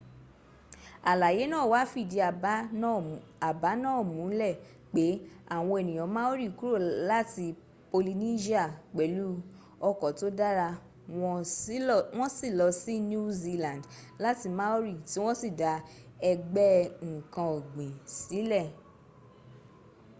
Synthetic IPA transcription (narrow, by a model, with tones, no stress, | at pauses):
a˨la˨je˨˦nãː˦˨wa˨˦fi˦˨di˨˧˨ | a˨ba˨˦nãː˦˨mũ˨˦lɛ˦˨ | k͡pe˨˦a˦˨w̃ɔ̃˧e˨nĩ˨j̃ɔ̃˨˦mã˦o˦ɾi˦˨ku˦ɾo˦˨la˦ti˧ | po˧li˧ni˦ʃi˦a˦˨k͡pɛ˨˦lu˦ | ɔ˧kɔ˨to˨˦da˦ɾa˧ | wɔ̃˧˦ | w̃ɔ̃˦si˦˨lɔ˧si˦nu˦zi˧lã˨ndla˦ti˧mã˦o˦ɾi˦˨ti˨˦w̃ɔ̃˦si˦˨da˨˧ | ɛ˧ɡ͡bɛ˦ŋ̩˨kã˧o˨ɡ͡bĩ˨si˨˦lɛ˦˨